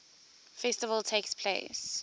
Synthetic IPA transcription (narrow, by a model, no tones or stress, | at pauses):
fɛstəvəlˠtʰeːkspʰlḛɪs